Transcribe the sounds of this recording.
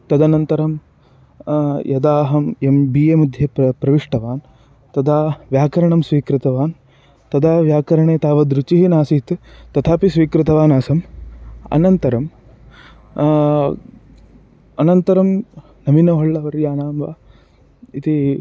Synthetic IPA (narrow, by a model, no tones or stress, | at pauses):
t̪ɐd̪ɐnɐnt̪ɐɾɐm | jɐd̪aːɦɐmembiːeːmud̪ʱjepɾɐʋiʂʈɐʋaːn | t̪ɐd̪aːʋjaːkɐɾɐɳɐmsʋiːkɾɪt̪ɐʋaːn | t̪ɐd̪aːʋjaːkɐɾɐɳeːt̪aːʋɐd̪ɾut͡ʃiɦinaːsit̪t̪ɐt̪ʰaːpisʋiːkɾɪt̪ɐʋaːnaːsɐmɐ̰nɐnt̪ɐɾɐm | ɐnɐnt̪ɐɾɐm | nɐminɐɦɔɭːɐʋɐɾjaːnaːmʋa̰ː | it̪i